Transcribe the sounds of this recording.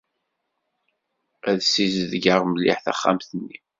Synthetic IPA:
æðsizðɡəʁməlːḭħθæ̰χːa̰mθənːi

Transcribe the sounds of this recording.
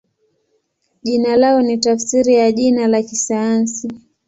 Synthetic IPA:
ʄinalaɔnitafsiɾijaʄinalakisajansi

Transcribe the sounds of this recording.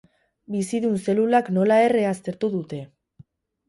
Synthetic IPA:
bisiðunse̞lulakno̞lae̞re̞ast̪e̞ɾt̪uðut̪e̞

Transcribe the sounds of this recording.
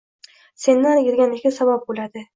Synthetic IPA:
se̞nːanjɪɾɡʲanɪkʲasabap̚bolad̪ɪ

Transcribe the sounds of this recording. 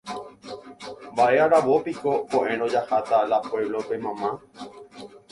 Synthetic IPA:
mbaʔe̞aɾaʋo̞piko̞koʔẽɾ̃õd͡ʒahat̪alapoeβlope̞mãmã

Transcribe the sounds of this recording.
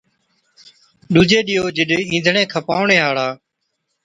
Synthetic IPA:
ɗuːd͡ʒeːɗɪjoːd͡ʒɪɗĩːnd̪ʱɳẽːkʰəpaːʊɳeːɦaːɽaː

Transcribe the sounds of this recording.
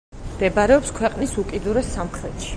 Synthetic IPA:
md̪ɛbaɾɛɔpskʰwɛqʼnisukʼid̪uɾɛsːamχɾɛt̪ʃi̥

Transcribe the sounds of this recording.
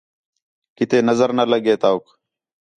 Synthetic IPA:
kɪt̪eːnəzəɾnələɡeːt̪aːuk

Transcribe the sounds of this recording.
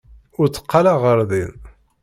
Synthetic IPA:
ʊɾt͡sːə̥qʰːalaʁəɾˤðin

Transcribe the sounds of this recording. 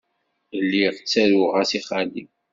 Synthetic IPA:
əlːiʁt͡sːæɾʊʁæsiχali

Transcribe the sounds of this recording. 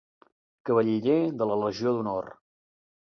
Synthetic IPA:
kəβ̞əʎiʎeðələləʒioðunor

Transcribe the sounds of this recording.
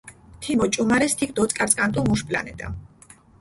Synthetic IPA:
t̪ʰimɔt͡ʃʼumaɾɛst̪ʰik̚ʰd̪ɔt̪sʼkʼaɾt̪sʼkʼant̪ʼumuʃpʼla̰nɛt̪ʼa̰m

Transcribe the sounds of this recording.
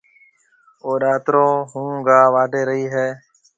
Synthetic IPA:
oːɗaːt̪ɾõːɦũːɡaːʋaːɖʱeːɾəɦiːɦɛː

